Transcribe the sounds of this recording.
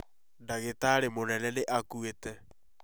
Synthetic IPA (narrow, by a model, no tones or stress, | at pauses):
ndaɣetaːɾemonɛnɛneʔakuetɛ